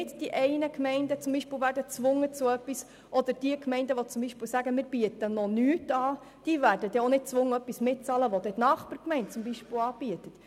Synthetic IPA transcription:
ɪtd̥iʔɛɪnəkmɛɪndət͡sʊmbiːʃpɪːlvæːɾrdət͡sʋʊŋːət͡sʊœpːis | ʔɔd̪əɾd̥iəkmɛɪndəʋɔt͡sʊmbiʃpɪlsæɡəmɪːɾb̥iətənɔnyːtɑː | d̥iːvæːɾdəd̥̪ɛonɪt̚t͡sʋʊŋːəœpːismɪt̚t͡sɑːləʋɔd̪ɛtnɑːχpəɾkmɛɪnt̚t͡sʊmbiʃpɪlɑːb̥iətət

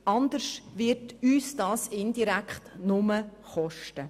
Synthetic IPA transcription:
ɑnd̪əʃtʋɪɾtyːsd̥ɑːsɪndiɾækχtnʊməχɔʃtə

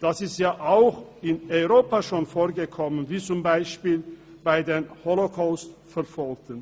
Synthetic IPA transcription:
d̥asɪstjaːʔaʊxɪnɔʏʁoːpaʃoːnfoːɐɡəkʰɔmənviːt͡sʊmbaɪʃpiːl | b̥aɪdeːnholokʰaʊstfɛɐfɔlk̚tʰən

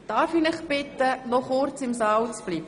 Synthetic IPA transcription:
d̥ɑːɾfiːnɪχbɪt̪ənɔχʊɾt͡sɪmsɑːwt͡sb̥liːb̥ə

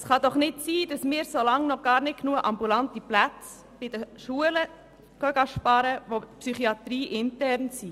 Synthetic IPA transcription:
sχɑd̥̪ɔχnɪtsiːd̥ɑsmɪːɾsolɑŋnɔɡ̥ɑːɾnɪt̚knuːəʔɑmbulɑntiplæt͡s | b̥ɪd̥əʃuələ | ɡ̥œɡɑʃpɑɾəʋopsyχiɑt̪ɾiːʔɪntɛɾnsiː

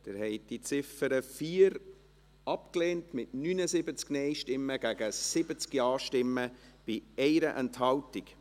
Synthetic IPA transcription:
d̪̥ɪɾhɛɪt̚d̥it͡sɪfəɾəfiːəɾ | ɑpkleːntmɪtnyːnəsɪbət͡sknɛɪʃtɪmːəɡ̥æɡ̥əsɪbət͡skiɑːʃtɪmːəb̥iɛɪɾəʔɛnthɑltik

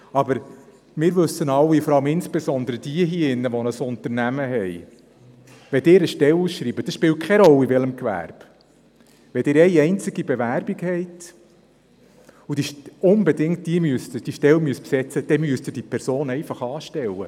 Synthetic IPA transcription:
ɑbəɾ | mɪːɾʋɵsːənɑlːifɔɾɑləmɪnsb̥esɔnd̪əɾəd̥iəɦiɪnːəʋɔnəsʊnt̪əɾnæməɦɛj | ʋɛd̪ɪːɾəʃtɛluːsʃɾiːbəd̥ɑsʃpɪːlt̚kʰɛɾɔlːiʋɛləmkʋæ̰ɾb̥ | ʋɛdɪːɾɛjɛɪnt͡sɪɡ̥ibevæɾb̥iɡhɛɪt | ud̥iʃʊnbedɪŋt̚d̥iəmyəstd̥iʃtɛlmyəspsɛt͡səd̥ɛmyəstɪːd̥ipʰɛɾsoːnɛɪfɑχɑːʃtɛlːə

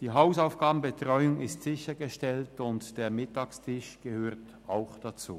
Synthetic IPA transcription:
d̥iːɦaʊsaʊfɡ̥aːbm̩bətʁ̥ɔʏʊŋɪstz̥ɪçɐɡəʃtɛltʊntd̥eːɐmɪtɑːkstʰɪʃɡ̥əhøːɐt | aʊxd̥at͡sṵː

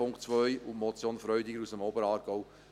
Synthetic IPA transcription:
ʊŋkt͡sʋœjʊmɔt͡sjoːnfɾœɥd̪ɪɡəɾusəmoːbəɾɑːɾɡ̥ɔw

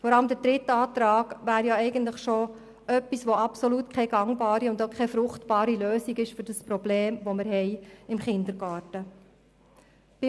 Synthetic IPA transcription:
fɔɾɑləmd̪əɾdɾɪtɑːt̪ɾɑːɡ̥ʋæːɾjɑɛɪɡəntləχʃo | ʔœpːisʋoɑpsɔlutkʰɛɡ̥ɑŋbɑːɾiʊnd̪okʰɛfɾʊχtb̥ɑːɾiløːsiɡɪʃfʏɾd̥əspɾɔbleːmʋomɪɾɦɛɪɪmχɪnd̪əɾɡɑːɾtə | b̥ɪ

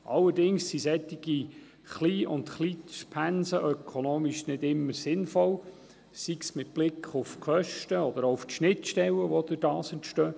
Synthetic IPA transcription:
ʔɑlːəɾdɪŋsːisɛt̪ːiɡ̥i | χliːʔʊnt̪χliːʃpʰænsəʔœkʰonoːmiʃnɪdɪmːəɾsɪnfɔl | siksmɪt̚b̥lɪkʰχʊfkʰœʃtəɔd̪əɾɔʊftʃnɪtʃtɛləʋɔd̪ɪd̥ɑːsəntʃtœː

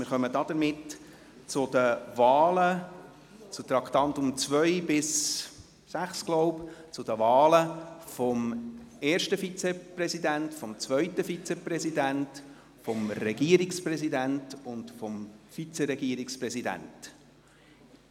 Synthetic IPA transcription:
mɪɾχœmədɑd̥̪əɾmɪt | t͡sʊd̥̪əvɑːlə | t͡sʊt̪ɾɑkt̪ɑntʊmt͡sʋœɪbɪs | sæχsɡ̥lɔʊpt͡sʊd̥əvɑːləfɔmɛːɾʃtəfit͡seprɛsid̪æntfɔmt͡svʋœʏtəfit͡sɛpɾɛsidænt | fɔmɾɛɡiəɾikspɾɛsidæntʊndfɔmfit͡sɛɾɛɡiəɾikspɾɛsidæ̰nt

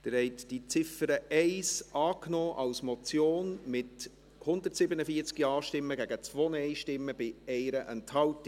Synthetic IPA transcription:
d̥̪əɾhɛɪtd̥it͡sɪfəɾəʔɛɪsʔɑːknɔːʔɑlsmɔt͡sjoːnmɪt | hʊnd̪ətsɪbənəfiət͡skiɑːʃtɪmːəɡæɡət͡svoːnɛɪʃtɪmːəb̥ɪɛɪɾəʔɛnthɑlt

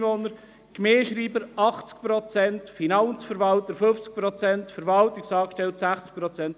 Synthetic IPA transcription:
vonəɾ | kmeːʃɾiːbəɾɑχt͡sk̚pɾɔt͡sɛntfinɑnt͡sfəɾʋɑltəɾføft͡sk̚pɾɔt͡sɛntfəɾʋɑltɪksɑːkʃtɛltsæχt͡sk̚pɾɔt͡sɛnt

